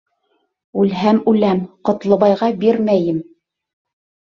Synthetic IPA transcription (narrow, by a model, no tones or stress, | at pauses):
ʉlɦæmʉlæmqŏt̪lˠɤ̆βɑjʁɑbiɾmæjɘm